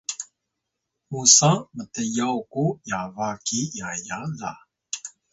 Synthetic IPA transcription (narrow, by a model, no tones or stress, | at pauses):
musamətəjawkujavakijajala̰